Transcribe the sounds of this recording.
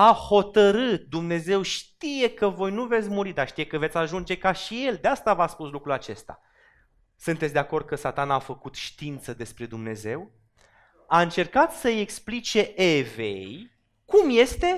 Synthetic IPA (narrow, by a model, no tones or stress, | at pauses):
aho̞t̪əɾɨt̪̚d̪umne̞ze̞wʃt̪ije̞kəvo̞jnuve̞t̪sʲmuɾid̪aʃt̪ije̞kəve̞t̪sʲaʒund͡ʒe̞kaʃije̞ld̪east̪avaspuslukɾulat͡ʃe̞st̪a̰ | sɨnt̪et̪sʲd̪eako̞rd̪̚kəsat̪anaːfəkut̪ʃt̪int̪səd̪e̞spɾe̞d̪umne̞ze̞w | aɨnt͡ʃe̞rkat̪səje̞ksplit͡ʃe̞ʔevḛjj | kumje̞st̪e̞